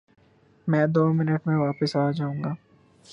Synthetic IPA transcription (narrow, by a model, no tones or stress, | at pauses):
mɛ̃ːd̪oːmɪnəʈmẽʋaːpəsaːd͡ʒaːũːŋɡaː